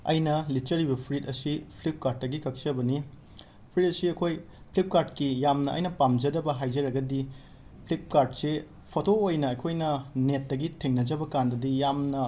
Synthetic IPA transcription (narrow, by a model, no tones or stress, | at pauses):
ɐ̰jnɐlit͡ʃɐɾibɐpʰɾitɐsipʰlip̚kaɾd̚ːɐɡikɐk̚sɐbɐni | pʰɾit̚ɐsiɐkʰoj | pʰlip̚kaɾdkijamnɐɐ̰jnɐpamd͡ʒɐdɐbɐɦajd͡ʒɐɾɐɡɐdi | pʰlip̚kaɾd̚se | pʰotoojnɐːkʰojnɐnetːɐɡitʰeŋnɐd͡ʒɐbɐkandɐdijamnɐ